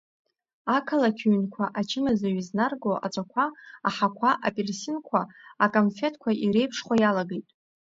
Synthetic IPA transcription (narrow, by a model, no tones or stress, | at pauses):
akʰalakʲʰɥnkʷʰaʔat͡ʃʰɪmazaɥiznarɡoʔa̰ʈ͡ʂʷʼakʷʰaaħakʷʰaʔapʼelsinkʷʰaakʼonfe̞tʰʼkʷʰaʔiɾe̞jpʰʂχʷajalaɡejtʼ